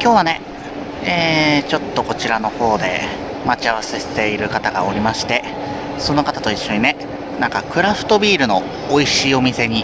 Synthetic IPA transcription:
kʲo̞ːβ̞ane̞ | eːt͡ɕo̞t̪ːo̞ko̞t͡ɕiɾano̞ho̞ːd̪e̞̰ | mat͡ɕiaβ̞ase̞se̥t̪e̞iɾɯ̟kat̪aɡa̰o̞ɾʲimaɕi̥t̪e̞ | so̞no̞kat̪at̪o̞iɕːo̞ɲ̟ine̞ | nãŋkakɯ̟ɾaɸɯ̟̥t̪o̞bʲiːɾɯ̟no̞ː | iɕiːo̞mʲise̞ɲ̟i

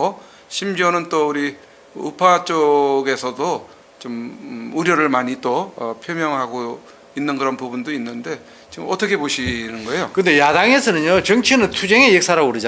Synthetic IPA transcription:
o | ɕʰimd͡ʑʌnɯnt͈ouɾi | ṵpʰat͡ɕ͈oɡe̞sʰʌdo | t͡ɕomuɾjʌɾɯɭmaɲit͈oʌpʰjomjʌŋɦaɡo | inːɯnkɯɾʌnpubundoinːɯnde̞ | t͡ɕiɯmʌt͈ʰʌkʰe̞poɕʰinɯnɡʌe̞jokɯnde̞jadaŋe̞sʰʌnɯnjot͡ɕʌŋt͡ɕʰinɯntʰud͡ʑeŋejek̚s͈ʰaɾauɾɯd͡ʑa

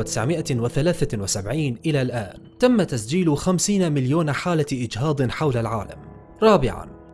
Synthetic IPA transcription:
t̪ɪ̥sʕmɪʔawɪθalaːθawɪsabʕiːnʔɪlalʔaːnt̪amːat̪asd͡ʒiːlʊxamsiːnamɪljoːnħaːlaʔɪd͡ʒɦɑːd̪ˤɨnħawlalʕa̰ːla̰m | ɾˤɑːbɪʕa̰n

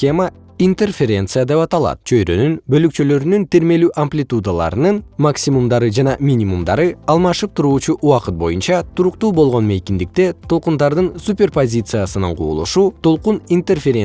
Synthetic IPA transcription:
emə | int̪erfʲe̞ɾʲe̞nt̪sɨjad̪e̞pɑt̪ɑlˠɑ̰t̪̚t͡ʃʰø̞jɾø̞nynbø̞lykt͡ʃø̞lø̞ɾynynt̪iɾme̞lyːʔɐmplʲit̪ud̪alˠɑ̰ɾɯnɯnmaksʲimumd̪ɑɾɯd͡ʒɑnɑmʲinʲimumd̪ɑɾɯɑlˠmɑʃɯp̚t̪ʰuɾuːt͡ʃuʔuɑqɯt̪̚bo̞junt͡ʃɑt̪ʰuɾuqt̪uːbo̞lˠʁo̞nme̞kʲind̪ik̚t̪e̞t̪ʰo̞lˠqund̪ɑɾd̪ɯnsupʲe̞rpozʲit̪sɨjasɯnɑ̰ɴqʰṵːlˠṵʃuːt̪ʰo̞lˠqunint̪erfʲeɾʲe

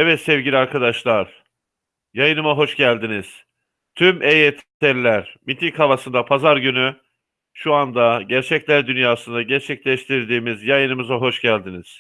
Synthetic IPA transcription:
ɛvɛt̪sɛvɟilʲiaɾkʰad̪aʃlˠaɾ̥ | jajɯnɯmaɦo̞ʃɟælʲd̪iniz̥ | t̪ʰymʔejɛt̪ʰ | ɛɾlʲæɾmit̪ʰikhavasɯnd̪apʰazaɾɟyny | ʃuand̪aɟæɾt͡ʃʰɛclʲæɾd̪ynjaːsɯnd̪aɟæɾt͡ʃʰɛclʲɛʃt̪ʰiɾd̪iːmizjajɯnɯmɯzaɦo̞ʃɟælʲd̪iniz̥

